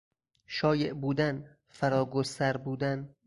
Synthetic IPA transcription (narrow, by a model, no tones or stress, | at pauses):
ʃɒːjeʔbuːd̪æn | fæɾɒːɡosæɾbuːd̪æn